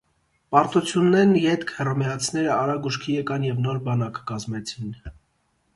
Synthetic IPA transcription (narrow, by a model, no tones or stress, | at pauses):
pɑɾt̪ut͡sʰjunːɛɾnjɛt̪kʰhɛrɑmɛɑt͡sʰn̪ɛɾəɑɾɑɡuʃkʰijɛkɑnjɛvnɔɾbɑnɑkkɑzmɛt͡sʰin